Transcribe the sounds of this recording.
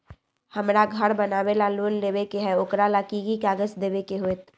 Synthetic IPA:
hɐmɾaɡʱɐɾbɐnaːʋelaloːnleːʋekeɦɛʊkɾalakiɡikaːɡəsd̪eːʋekeɦoet̪

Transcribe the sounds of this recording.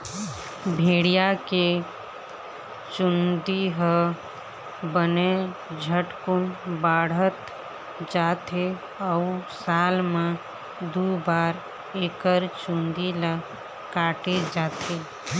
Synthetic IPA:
bʱeɽijake | t͡ʃund̪iɦə | bəned͡ʒʱəʈkunbaɽ̤ət̪ | d͡ʒat̪ʰe | əusalme | d̪ubaɾ | ekəɾt͡ʃund̪ila | kaʈed͡ʒat̪ʰe

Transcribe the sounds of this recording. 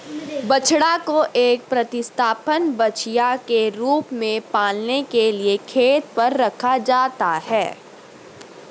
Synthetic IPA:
bɐt͡ʃʰɽakoʔeːk̚pɾɐt̪ɪst̪ʰaːpənbɐt͡ʃʰijakeɾuːpmẽpaːlnekeliekʰeːt̪pɐɾːɐkʰad͡ʒaːt̪ahɛː

